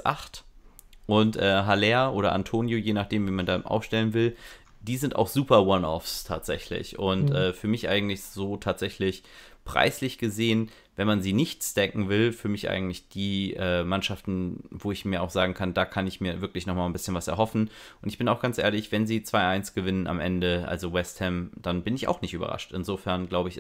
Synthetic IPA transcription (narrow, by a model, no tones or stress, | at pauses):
sʔa̰χt | ʔʊntʔɛːɦalɛːɐʔoːɾɐʔa̰ntʰoːnjojeːnaχd̥eːmviːmandaːɪ̰mʔa̰ʊfʃtɛlənvɪl | d̥iːzɪntʔa̰ʊxz̥uːpɐwanɔ̰fstʰa̰ːtz̥ɛ̰çlɪ̰çʔʊntʔɛːfyːɐmɪçʔa̰ɪɡŋ̩tlɪçz̥oːtʰaːtz̥ɛçlɪç | pʁ̥a̰ɪslɪçɡ̥əzeːən | vɛnmanziːnɪçtsd̥ɛkŋ̩vɪlfyːɐmɪçʔa̰ɪɡŋ̩tlɪçd̥iːʔɛːmanʃaftn̩voːɪçmiːɐa̰ʊxz̥aːɡŋ̩kʰandaːkʰanɪçmiːɐvɪɐklɪçnɔχmaːlnbɪsçənvasɛɐɦɔfn̩ | ʔʊntɪçb̥ɪnaʊxɡ̥ant͡sʔḛːɐlɪçv̥ɛnziːt͡sv̥aɪʔaɪnsɡ̥əvɪnənʔa̰mʔɛndəʔa̰lzowɛsthɛmd̥anbɪnɪça̰ʊxnɪçtyːbɐ̰ʁa̰ʃtɪnzoːfɛɐnɡlaʊbəɪç